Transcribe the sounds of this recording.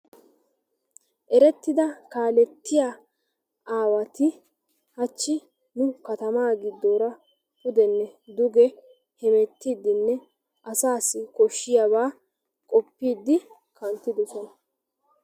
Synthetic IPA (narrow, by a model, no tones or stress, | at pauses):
ʔɛɾɛt̪ːɪd̪ɐkaːlɛt̪ːɪja | aːwɐt̪ɪ | hɐt͡ʃːɪ | nʊkɐt̪ɐmaːɡɪd̪ːoːɾɐ | hʊd̪ɛnːɛd̪ʊɡɛ | hɛmɛt̪ːiːd̪ːɪnːɛ | ʔɐsaːsːɪkɔʃːɪjaβaː | kʼɔpːiːd̪ːɪ | kʰɐnt̪ːɪd̪ɔsɔnɐ